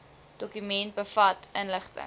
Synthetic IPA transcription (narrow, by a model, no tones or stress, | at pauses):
d̥okymɛnt̚bəfɐtʔənləχtə̰ŋ